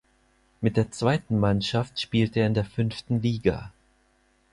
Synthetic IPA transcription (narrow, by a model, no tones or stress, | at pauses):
mɪt̚d̥eːɐt͡sv̥aɪtn̩manʃaftʃpiːltəeːɐɪndeːɐfʏnftn̩liːɡa̰